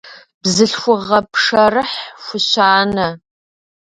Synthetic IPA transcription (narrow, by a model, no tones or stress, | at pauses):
bzɨɬxʷʊʁɐpʰʂɐrɨħxʷʊɕaːnɐ